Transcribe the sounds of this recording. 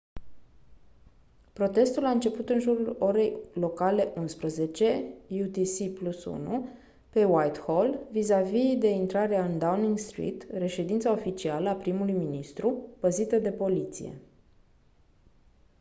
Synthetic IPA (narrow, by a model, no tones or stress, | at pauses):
pɾo̞t̪e̞st̪ulaɨnt͡ʃe̞put̪ɨnʒuɾulo̞ɾe̞jlo̞kale̞ʔunspɾəze̞t͡ʃe̞jut̪isiplusṵnu | pe̞wajt̪holvizavid̪e̞int̪ɾaɾeaɨnd̪awniŋɡst̪ɾḭt̪re̞ʃe̞d̪int̪sao̞fit͡ʃialəapɾimulujminist̪ɾupəzit̪əd̪e̞po̞lit̪sḭje̞̰